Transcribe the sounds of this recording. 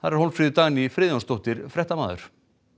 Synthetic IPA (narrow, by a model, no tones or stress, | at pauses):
θaðɛɾ̥howlfɾiːðʏt̪aːɣnifɾɪːðjanst̪owht̪ɪɾfɾɛht̪ama̰ːðʏ̰ɾ̥